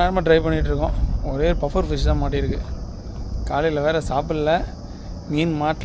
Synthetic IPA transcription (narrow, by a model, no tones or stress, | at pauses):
aːɾmaːɖɪɾɐɪpɐɳːɪʈːɾɯkːʊ̃ɔɾeːɾɯpɐfɐɾfɪsãːmaːʈ̬ːɪɪɾɯkːɯ | kaːlɪlɐʋeːɾɐsaːpɯllɐ | miːnmaːʈ